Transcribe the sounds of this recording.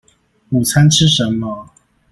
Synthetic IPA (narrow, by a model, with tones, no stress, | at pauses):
u˨˩t͡sʰa˥˦nʂʰɻ̩˥˩ʂə˨˦nmə˧